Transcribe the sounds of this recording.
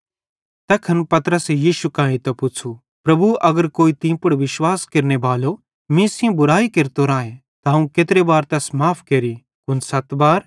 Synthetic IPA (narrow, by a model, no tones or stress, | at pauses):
t̪ɛːkʰɐnpɐt̪ɾəsejiːʃukãːĩt̪ɛpʊt͡ʃʰu | pɾɐbuʔɐɡəɾkoːit̪ĩːpʊɽʋɪʃwaːskeɾnebaːlo | mĩːsɪõbʊɾaːikeɾt̪oɾãːẽ | t̪aɦɐũket̪ɾebaːɾt̪ɛːsmaːpʰkeːɾi | kʊnsɐt̪baːɾ